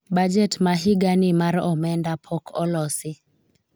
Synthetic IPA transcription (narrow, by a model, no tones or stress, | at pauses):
bad͡ʒɛtmaɦiɡanɪmaɾɔmɛndapʰɔkʰɔlɔsɪ